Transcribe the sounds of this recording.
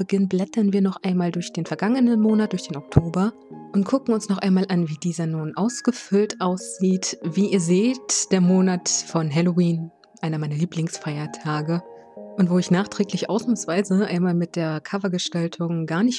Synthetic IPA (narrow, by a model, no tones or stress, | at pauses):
b̥əɡɪnblɛtʰɐnviːɐnɔχʔaɪnmaːldʊɐçd̥eːnfɛɐɡaŋənənmoːnat̚d̥ʊɐçd̥eːnɔk̚tʰoːbɐ | ʔʊntkʰʊkŋ̩ʊnsnɔχʔaɪnmaːlʔanviːdiːzɐnuːnʔaʊsɡ̥əfʏltʔaʊsz̥iːtviːʔiːɐzeːtd̥eːɐmoːnatfɔnɦɛloiːn | ʔaɪnɐmaɪnɐliːplɪŋsfaɪɐtʰaːɡə | ʔʊntv̥oːɪçnaːχtʁ̥ɛːklɪçʔa̰ʊsnamsv̥aɪzəʔa̰ɪnmaːlmɪt̚d̥eːɐkʰavɐɡəʃtaltʰʊŋɡaːɐnɪç